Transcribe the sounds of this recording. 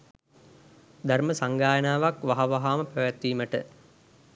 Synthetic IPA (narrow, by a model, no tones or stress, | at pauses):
d̪ʱarməsaŋɡaːjənaːʋakʋaɦaʋaɦaːməpəʋæt̪ːiːməʈə̰